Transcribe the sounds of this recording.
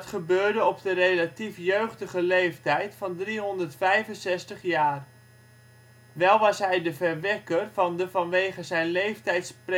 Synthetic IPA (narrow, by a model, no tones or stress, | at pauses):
tχəbøːɹdəɔp̚dərejlatifjøɥχdəχəlejftɛjtfɑndriɦɔndərtfɛjvənsɛstəχjaːr | ʋɛlˠʋɑsɦɛjdəvərʋɛkərvɑndəvɑnʋejχəzɛjnlejftɛjtspr